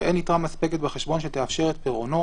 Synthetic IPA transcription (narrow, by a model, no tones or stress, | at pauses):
ʔenitʁamaspeket̪̚beχeʃbo̞nʃet̪eafʃe̞ʁet̪̚peʁo̞no̞